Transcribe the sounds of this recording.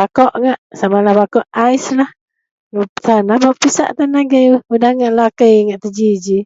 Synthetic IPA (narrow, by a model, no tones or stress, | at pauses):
akɔʔŋaʔsamalahbakɔʔajslah | ŋpt̪anabapisa̰ʔt̪anaɡəjwəudahŋaʔlakəjŋaʔt̪əd͡ʒid͡ʒi